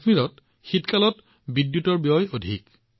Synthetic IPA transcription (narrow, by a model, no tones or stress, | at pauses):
miɹɔt | xitkalɔt | bidːjutɔɹbijɔjodʱḭk